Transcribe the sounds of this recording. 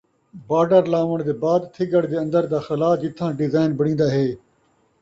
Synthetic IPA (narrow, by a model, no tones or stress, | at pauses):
baːɖəɾlaːʋəɽ̃d̪eːbaːd̪t̪ʰɪɡəɽd̪eːɐ̃nd̪əɾd̪aːxɐlaːd͡ʒɪt̪ʰːãːɖɪzaːɪnbɐɽ̃ĩːnd̪aːɦeː